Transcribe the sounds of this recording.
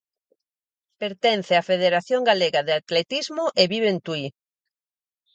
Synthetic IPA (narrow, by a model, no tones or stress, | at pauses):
peɾt̪enθeafeðeɾaθjoŋɡaleɣaðeat̪let̪izmʊʔeβiβ̞ent̪ui